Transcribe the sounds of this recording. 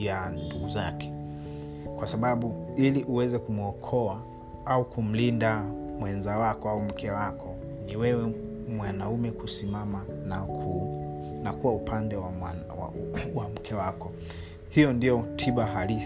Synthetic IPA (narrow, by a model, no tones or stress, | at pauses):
jannduɡuza̰kɛ̥ | kwasaɓaɓuiliʔuwɛzɛkumɔkʰɔa | aukum̩lindamwɛnzawakɔaum̩kʰɛwakʰɔ | niwɛwɛ | mwanaumɛkusimamanakʰu | nakuwaupʰandɛwa | wa̰wam̩kʰɛwakɔ | hijɔndiɔtʰiɓaɦali